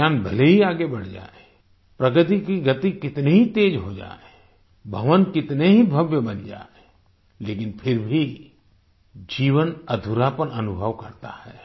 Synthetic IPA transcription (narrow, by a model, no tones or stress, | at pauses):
aːnbʱɐleɦiaːɡebɐɽ̤d͡ʒa̰ːe | pɾɐɡət̪̬ikiɡət̪ikɪt̪neɦit̪eːd͡ʒɦod͡ʒa̰ːe | bʱɐʋənkɪt̪neɦibʱəʋjəbɐnd͡ʒa̰ːe | leːkɪnpʰɪɾbʱi | d͡ʒiːʋənɐd̪ʱuɾapənɐnʊbʱəʋkɐɾt̪a̰hɛː